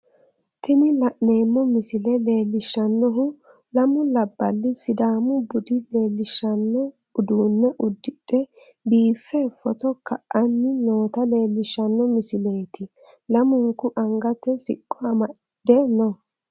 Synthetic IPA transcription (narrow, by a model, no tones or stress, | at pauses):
t̪ɪnɪlɐʔne̞ːmːɔmɪsɪlɛle̞ːlːɪʃːɐnːɔɦʊ | lɐmʊlɐbːɐlːɪsɪd̪aːmʊbʊd̪ɪle̞ːlːɪʃːɐnːɔ | ʊd̪uːnːɛʔʊd̪ːɪɗɛ | biːfːɛːfːɔt̪ɔkɐʔɐnːɪno̞ːt̪ɐle̞ːlːɪʃːɐnːɔmɪsɪle̞ːt̪ɪ | lɐmʊŋkːʊʔɐŋɡɐt̪ːɛsɪ̰kʼːɔɐmɐ | d̪ɛnɔ